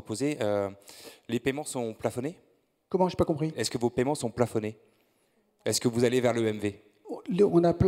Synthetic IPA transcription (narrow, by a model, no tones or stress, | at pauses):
pozeʔø | lepɛmɑ̃sɔ̃plafɔne | kɔmɑ̃ʒepakɔ̃pχiɛskəvopɛmɑ̃sɔ̃plafɔne | ɛskəvuzalevɛʁløɛmve | lɔ̃nap